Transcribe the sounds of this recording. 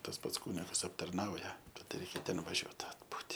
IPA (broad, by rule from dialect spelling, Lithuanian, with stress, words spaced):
tɐs ˈpɐts ˈkuːnʲɪɡɐs ɐptɐrˈnɐʊjɛ ˈtɐt ˈrʲɛɪkʲɛ ˈtʲɛn ʋɐˈʒʲuɔt ɐdˈbuːtʲɪ